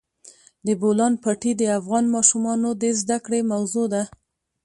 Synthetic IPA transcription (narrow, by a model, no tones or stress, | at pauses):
d̪əbolɑnpɑʈid̪əafɣɑnmɑʃumɑnod̪əzd̪akɽemawzod̪a